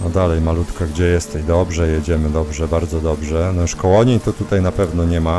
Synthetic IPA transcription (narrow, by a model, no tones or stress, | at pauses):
ɔd̪alɛjmalut̪kaɡd͡ʑɛjɛst̪ɛd̪ɔbʐɛjed͡ʑɛmɘd̪ɔbʐɛbaɾd̪zɔd̪ɔbʐɛnɔʂkɔwɔɲeit̪ɔt̪ut̪ajnapɛvn̪ɔɲɛma